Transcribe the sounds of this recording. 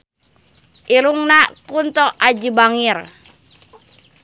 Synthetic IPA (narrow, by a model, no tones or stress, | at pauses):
ʔiɾuŋnakunt̪ɔʔad͡ʒibaŋir